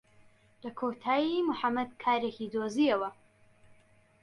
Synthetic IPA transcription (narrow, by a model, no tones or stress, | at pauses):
lɐkʰot̪ʰaːjimʊħamːɐd̪kʰaːɾekid̪oziɐwɐ